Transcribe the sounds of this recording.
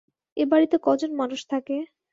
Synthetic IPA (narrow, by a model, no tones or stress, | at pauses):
ebaɽit̪ekɔd͡ʑonmanuʃt̪ʰake